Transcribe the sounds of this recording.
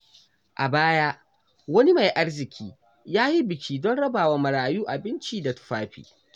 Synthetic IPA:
ʔa˨baː˦ja˦ʔ | wɐ˦ni˦ma˨jʔa˦rzɪ˨kʲʰiː˦ | jaː˦ji˦bɪ˨kʲʰiː˦dɔ˦nɽɐ˦baː˨waː˦mɐ˨ɽaː˨juː˦ʔa˨bɪ˦nt͡ʃiː˦da˨tʊ̥˨ɸaː˦ɸḭː˨

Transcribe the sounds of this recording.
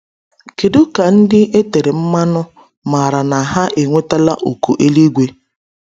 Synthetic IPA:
ke˨do˦ka˨n̩˦dɪ˦ʔe˦te˨ɾe˨m̩˦ma˦nʊ˦ | ma˨ɾa˨na˨ɦa˦ʔe˨ŋʷe˦ta˦la̰˦ʔo˨ko˨ʔe˦li˦ɡʷe˦

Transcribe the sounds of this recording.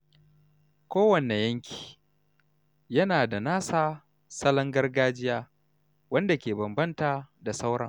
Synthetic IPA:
kʷoː˦wɐ˨ne˨jɐ˦ŋkʲʰi̥ː˨ | jɐ˦naː˨da˨naː˦saː˦ | sɐ˦lɐ˦ŋɡɐ˦rɡaː˦d͡ʒɪ˦jaː˦ | wɐ˦nda˨kʲeː˨bɐ˨mbɐ˦nta˨da˨sa˦wɽɐ̰˨ŋ

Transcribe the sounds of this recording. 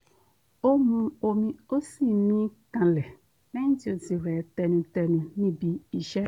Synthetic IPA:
o˦mũ˨o˨mĩ˨o˦si˦mĩ˦kã˨lɛ˨ | mɛ̃˦ñ̩˦ti˦o˨d͡zi˨ɾɛ˨t̪ɛ˨nũ˨t̪ɛ˨nũ˨nĩ˦bi˨i˨ʃɛ˦

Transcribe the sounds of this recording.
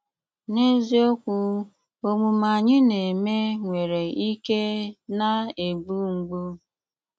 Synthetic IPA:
ne˦zi˦o˦kʷu˦ | o˦mu˨ma˨ɲɪ˦ne˨me˦ŋʷe˨ɾe˨i˦ke˦na˦e˨bu˦ŋ̩˨ɡ͡bu˦

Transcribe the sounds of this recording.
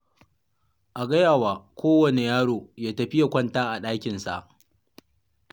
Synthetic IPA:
ʔa˨ɡɐ˦jaː˨waː˨kʷoː˦wɐ˨ne˨jaː˦ɽoː˨jaː˦tɐ˨ɸɪ˦ja˨kʷɐ˦ntaː˦ʔa˨ɗaː˦kʲɪ˨nsa̰˨ʔ

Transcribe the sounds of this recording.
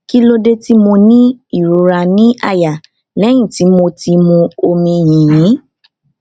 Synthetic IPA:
ki˦lo˦de˦ti˦mo˧nĩ˦i˦˨ɾo˨˧˦ɾa˧nĩ˦ʔa˧ja˨ | lɛ˨˦j̃ĩ˦˨ti˨˦mo˧ti˧mũ˧o˧mĩ˧jĩ˨jĩ˨˦

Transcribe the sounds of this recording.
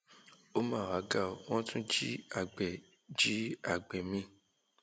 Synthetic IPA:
o˦mãː˦˨wa˨˦ɡa˦˨w̃ɔ̃˦tũ˦d͡ʒi˦a˦˨ɡ͡bɛ˨ | d͡ʒi˦a˦˨ɡ͡bɛ˨mĩ˧˨

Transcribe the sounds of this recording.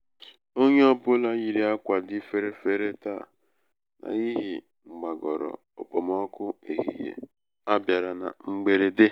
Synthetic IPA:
o˦ɲe˦ɔ˦bʊ˦la˦ɲi˨ɾi˦a˦kʷa˨dɪ˦fe˦ɾe˦fe˦ɾe˦ta̰˦˨ | na̰˨i˦ɦi˨ | ŋ͡m̩˨ɡ͡ba˨ɡɔ˨ɾɔ̰˨ | o̰˨k͡po˨mɔ˦kʊ˦e˨ɦḭ˨jḛ˨ | a˦bja˨ɾa˨na̰˨ŋ͡m̩˦ɡ͡be˦ɾe˦de˦

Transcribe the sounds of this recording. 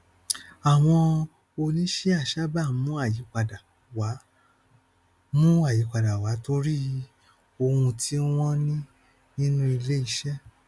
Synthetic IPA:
a˨w̃ɔ̃˧ | o˧nĩ˦ʃe˦a˦˨ʃa˦ba˦˨˦mũ˦a˦˨ji˨˦k͡pa˨da˨ | wa˨˦ | mũ˦a˦˨ji˨˦k͡pa˧˨da˨wa˨˦to˧ɾi˦ | o˧hũ˧tʰi˦w̃ɔ̃˦nĩ˦ | nĩ˦nũ˦i˧le˦i˧ʃɛ˦

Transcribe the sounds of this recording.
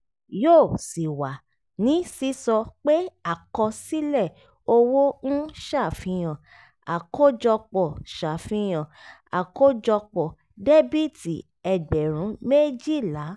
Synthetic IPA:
joː˦˨si˨wa˨ | nĩ˨˦si˨˦sɔ˧k͡pe˦a˨kɔ˧si˦lɛ˦˨ | o˧wo˦n̩˦ʃa˦˨fĩ˧j̃ã˨ | a˨ko˦d͡ʒɔ˧k͡pɔ˨ʃa˨fĩ˧j̃ã˨a˨ko˦d͡ʒɔ˧k͡pɔ˨ | de˦bi˦ti˨ | ɛ˨ɡ͡bɛ˨ɾ̃ũ˨˦me˦d͡ʒi˦˨la˨˦

